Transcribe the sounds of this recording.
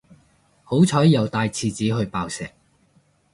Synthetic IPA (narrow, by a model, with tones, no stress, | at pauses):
ho˨˥wt͡sʰɔː˨˥jːɐ˨˧wt̪aː˧jt͡sʰiː˧t͡siː˨˥ɦɵ˧ɥpaː˧wsɛː˨k̚